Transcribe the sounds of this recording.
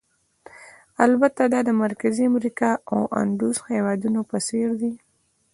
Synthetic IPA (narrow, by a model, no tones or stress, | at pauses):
albat̪ad̪ɑd̪əmaɾkaziamɾikɑawʔa̰ɳɖ̪ushewɑd̪unopəseɾd̪i